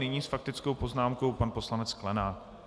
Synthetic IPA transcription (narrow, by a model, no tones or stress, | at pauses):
nɪɲiːsfak̚t̪ɪt͡skowpo̞znaːmko̞wpanpo̞slanɛt͡sklɛnaː